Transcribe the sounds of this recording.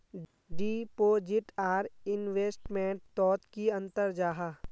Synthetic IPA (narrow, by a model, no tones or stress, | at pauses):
ɖiːpoːd͡ʒɪʈaːɾɪnʋeːsʈmẽːɳʈ̚t̪ɔːt̪kiɐ̃nt̪əɾd͡ʒaːɦaː